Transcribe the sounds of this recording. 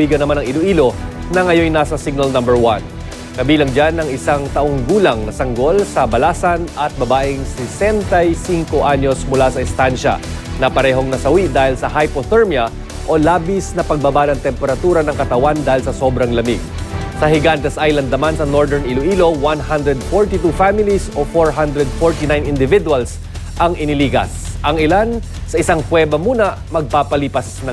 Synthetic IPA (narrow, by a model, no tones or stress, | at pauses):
iːɡɐnɐmanɐŋɪloʔiːlo̞ | nɐŋɐjo̞jnasɐsiɡ̚nɐlnɐmbɛɹwan | kɐbiːlɐŋd͡ʒanɐŋɪsaŋt̪ɐʔoŋɡuːlɐŋnɐsɐŋɡo̞lsɐbɐlaːsɐnɐt̪̚bɐbaːʔɪŋsɛsɛnt̪ɐjsiŋko̞ʔaɲo̞smʊlasɐɪst̪anʃɐ̰nɐpɐɾɛɦo̞ŋnɐsɐwid̪aːhɪlsɐɦajpoθɛɹmjɐ | ʔo̞laːbɪsnɐpɐɡ̚bɐbanɐŋt̪ɛmpɛɾɐt̪uːɾɐnɐŋkɐt̪ɐwand̪aːhɪlsɐso̞bɾɐŋlɐmiɡ̚sɐhɪɡant̪ɛsʔajlɐnd̪ːɐmansɐnoɹd̪ɛɹniloʔiːlo̞wanhand̪ɾɛd̪̚foɹt̪it̪ufamɪlisofoɹɦand̪ɾɛd̪̚foɹt̪inajnɪnd̪ɪvɪd̪ʊwɐls | ʔɐŋʔɪnɪliːɡɐ̰sʔɐŋɪlan | sɐɪsaŋkwɛːbɐmuːnɐ | mɐɡ̚paːpɐliːpɐsnɐ